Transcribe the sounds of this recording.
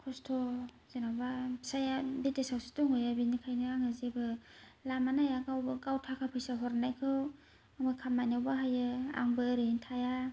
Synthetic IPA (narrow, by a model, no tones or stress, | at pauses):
kʰɔstʰɔ | z̥enawbasajabitesawsi̥tɔŋɯjabinikʰajnɯaŋɯzebɯlamanajaɡawbɯkawtʰakʰapʰɯjsaɦɔɾnajkʰɯw | aŋbɯkʰamːajnawbaɦajɯa̰ŋbɯɾɯntʰaja